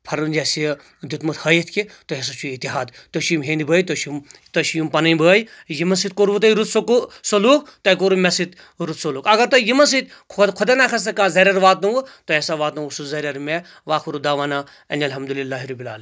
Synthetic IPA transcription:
pʰɐɾund͡ʒesi | d̪ut̪mut̪hɐjit̪ʰkit̪oɦes̬ɐt͡ʃʰuit̪iɦaːd̪t̪oʃimɦẽːnd̪ibəːjt̪oʃimt̪ɐʃjumpɐnɐjbəːjjimɐnsit̪koɾbut̪̬ɐiɾut̪sksoluːkt̪ɐjkoɾumʲesit̪ | ɾut̪soluːkɐɡɐɾt̪ojimɐns̬it̪kʰkʰod̪enakʰɐs̬ɐkãːzɐɾʲɐɾʋaːt̪nuwut̪oɦesaʋaːt̪nuusuzɐɾʲɐɾme | ʋaːkʰuɾud̪aːʋaːna | ɐ̰nʲɐlɦɐmd̪ulilːaːɦiɾɐbila̰ːlɐ

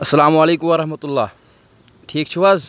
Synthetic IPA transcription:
ɐsːɐlaːmɐleːkumʋɐɾɐɦmɐt̪ulːaː | ʈʰiːk̚t͡ʃʰiʋaz

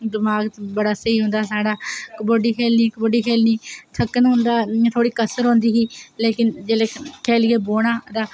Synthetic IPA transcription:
d̪ɪmaːɡbəɽaːsəiːɦʊ̃nd̪aːsaːɽaːkəboːɖiːkʰɛːlniːkəboːɖiːkʰeːlniːt̪ʰəkːənɦʊnd̪aːt̪ʰoːɽiːkəsəɾɦõːnd̪iːɦiːleːkɪnd͡ʒeːleːkʰeːlːeːboːɽaːd̪aː

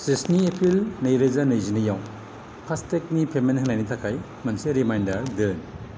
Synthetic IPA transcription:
sisniepʰɾilnɐjɾezanɐjzinijaw | pʰastek̚nipʰemenɦɐnajnitʰakʰaj | mɐnseɾimajndaɾdɯn

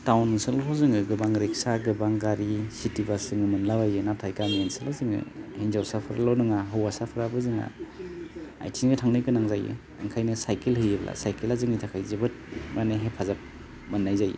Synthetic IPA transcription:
tawnsɯlʰɔzɯŋɯɡɯbaŋɾeksaɡɯbaŋɡaɾisitibasɯŋɯmɯnlabajɯnatʰajkanensɯlawzɯŋɯ̰hinzawsapʰɯɾa̰lawnɯŋaɦɯwasapʰɯɾabɯzɯŋa̰ | a̰jtʰinɡɯtʰaŋnɯkɯnaŋzajɯ̰ | ɯŋkʰajnɯsajkelhɯjeblʔa̰sajkelazɯŋitʰakʰajzebɯt̚maneɦepʰazap̚ | mɯnːajzaj̰

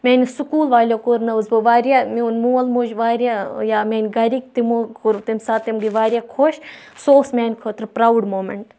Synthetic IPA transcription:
meːnʲisukuːlʋaːlʲoːkoɾnɐʋzbɨʋaːɾʲjamiunmuːɐlmoːd͡ʒʋaːɾʲjajaːmeːnʲɡɐɾik̚t̪imukuɾt̪imsaːt̪imɡiʋaːɾjakʰoʃ | soːsmeːnʲkʰoːt̪ɾpɾawɖmoːmeɳʈ

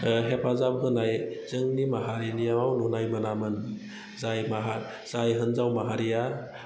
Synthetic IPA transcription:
ɦepʰazapɦɯnajz̥ɯŋnimaɦaɾinijawawnunajmɯnamɯn | zajmaɦa | z̥ajɦɯnzawmaɦaɾija

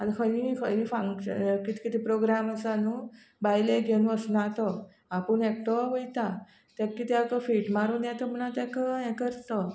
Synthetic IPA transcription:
ankʰəjĩkʰəjĩːfaŋɕə̰kit̪ʰi̥kit̪ʰipɾoɡɾaməsanu | bajleɡʱeñũəsnat̪ə | apəɳek̚ʈəɦojt̪a | t̪akːit̪iakəfiʈmaɾunjat̪əm̤ənat̪ɛkəɛkəɾt̪ə

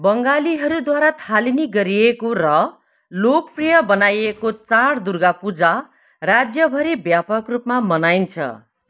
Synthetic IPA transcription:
bʌŋɡaliɦʌɾud̪waɾat̪ʰaliniɡʌɾiekorʌ | lok̚prijʌbʌnajekot͡saɽd̪urɡapud͡za | rad͡zjʌbʱʌɾibjapʌkrupmamʌnajnt͡sʰʌ̰

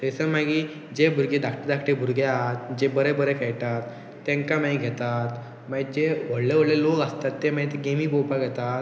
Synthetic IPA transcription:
t̪əsəmaɡiː | d͡ʑebʱuɾɡed̪akʰʈəd̪akʰʈebʱuɾɡeat̪̚d͡ʑebəɾebəɾekajʈat̪ː | ẽŋkamaiɡʱɛt̪at̪ | maid͡ʑeʋ̤əɽleʋ̤əɽlelokəst̪at̪ːemaĩt̪eɡemiːbowpaɡʱɛt̪at̪

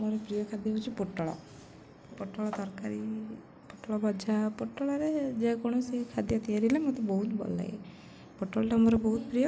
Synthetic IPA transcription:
moɾepɾijɔkʰad̪ebut͡ʃʰipoʈːɔɭɔ̰ | poʈːɔɭɔt̪ɔɾkaɾi | poʈːɔɭɔbɔd͡ʒʱapoʈːɔɭaɾed͡ʒekɔɽ̃ɔsikʰad̪jɔt̪ijaɾilemot̪ebɔɦut̪bɔ̰lːa̰j | poʈːɔɭaʈeamɔɾɔbɔɦut̪̚pɾijɔ

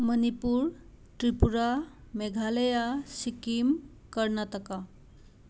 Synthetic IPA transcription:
mənipuːɾ | ʈɾipuɾa | meɡʱaləjasikiːm | kəɾɳat̪əka

